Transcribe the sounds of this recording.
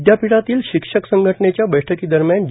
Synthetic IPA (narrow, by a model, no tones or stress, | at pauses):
d̪ʱjapiɽat̪iːlɕikʂəksəŋɡʱəʈənet͡ɕjabəjʈʰəkid̪əɾmjand͡ʑ